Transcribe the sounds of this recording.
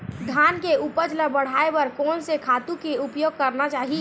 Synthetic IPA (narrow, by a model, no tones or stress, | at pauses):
d̪ʱaːnkeupəd͡ʒləbəɽ̤aːebəɾkoːnsekʰaːt̪ũkeʊpjoːɡ̚kɐɾnat͡ʃaːɦi